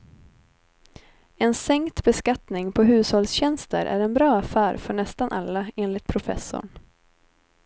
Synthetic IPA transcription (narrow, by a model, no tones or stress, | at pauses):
ɛnsɛŋkt̪bɛskat̪nɪŋpʰɔɦʉ̟ːshɔlsɕɛnst̪ə̰ɾʔæ̰ɾɛnbɾɑːafæːɾfœɳɛst̪anʔa̰lːaeːnlɪt̪̚pʰɾʊfɛ̰sːʊ̰ɳ